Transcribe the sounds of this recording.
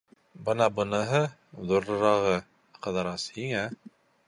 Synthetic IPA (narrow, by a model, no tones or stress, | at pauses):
bɤnɑbɤ̆nɤɦɤ | ðuɾːɤ̆ɾɑʁɤ | qɤ̆ðɑɾɑshiŋæ